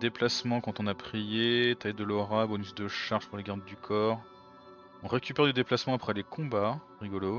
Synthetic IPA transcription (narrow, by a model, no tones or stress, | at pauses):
d̪eplasmɑ̃kɑ̃t̪ɔ̃napχijet̪ajd̪əlɔʁabɔnysd̪əʃaʁʒ̥puʁleɡaʁd̪d̪ykʰɔːʁ | ɔ̃ʁekʲypɛʁd̪əd̪eplasmɑ̃apχɛlekʰɔ̃ba | ʁiɡɔlo